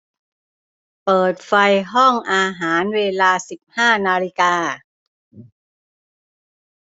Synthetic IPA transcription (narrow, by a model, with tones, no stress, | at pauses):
pɤː˨˩t̪̚fa˧jɦɔ˥˩ŋʔaː˧ɦaː˩˦nweː˧laː˧si˨˩p̚haː˥˩naː˧li˧kaː˧